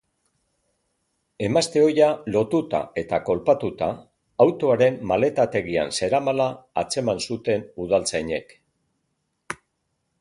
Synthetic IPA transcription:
e̞mast̪e̞o̞jalo̞t̪ut̪a̰e̞t̪ako̞lpat̪ut̪aː | wt̪o̞aɾe̞mːale̞t̪at̪e̞ɣ̞ia̰nse̞ɾamalaːt͡se̞mansut̪e̞nuðalt͡sajɲe̞k

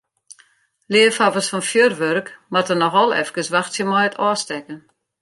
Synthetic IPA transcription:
lɪəfɔvəsfɔnfjørʋørkmatənɔxɔlˠɛ̰fkəsʋaxtsjəmɔjətʰɔːstɛkən

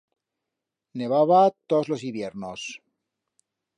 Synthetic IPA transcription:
neβaβat̪ozlosiβjeɾnos

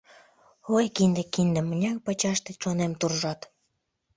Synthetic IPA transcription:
ojkind̪ĕkind̪ə̆mənʲɑk̚pɑt͡ɕɑʃt̪et͡ɕonemt̪urʒɑt̪

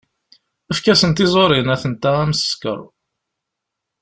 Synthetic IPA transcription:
əfkæsənt̪izˤoɾinæθənt̪ææmsə̥skə̰ɾˤ

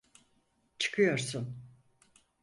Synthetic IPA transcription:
t͡ʃʰɯ̥kʰɯjo̞ɾsun

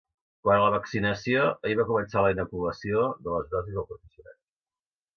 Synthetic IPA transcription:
kwanələβəksinəsioəiβakumənsaləinəkuləsioðələzðɔzizðəlˠpɾufəsiuna̰t̪

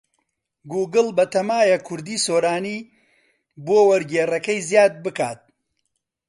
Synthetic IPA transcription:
ɡuːɡɨlbɐt̪ʰɐmaːjɐkʰʊɾd̪iːsoːɾaːniː | boːwɐɾɡeːrɐkɐjzjaːd̪̚bɨka̰ːt̪̚

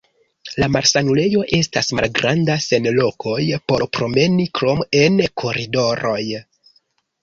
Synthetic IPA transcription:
lamaɾsanule̞jo̞ʔe̞stasma̰lɡɾʔandase̞nlo̞kʰo̞jpo̞ɾpɾo̞me̞nikɾo̞me̞nkʰo̞ɾido̞ɾo̞j

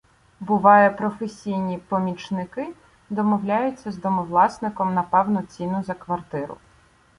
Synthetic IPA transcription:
bʊʋɑjɛpɾɔfesʲijnʲipɔmʲit͡ʃnɪkɪ | d̪ɔmɔwlʲajʊt͡sʲːɐzd̪ɔmɔwlˠɑsnɪkɔmnɐpɛwnʊt͡sʲinʊzɐkʋɐrt̪ɪɾʊ̰

